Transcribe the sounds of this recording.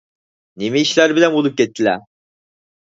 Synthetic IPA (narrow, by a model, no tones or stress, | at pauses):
nemiːʃlʲæɾbilʲæmulˠup̚ɟet̪ʰːilʲæ